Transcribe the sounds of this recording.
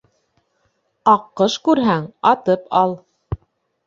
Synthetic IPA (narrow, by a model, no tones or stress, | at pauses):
ɑqːɤʃkʉɾɦæŋɑt̪ɤpʰɑlˠ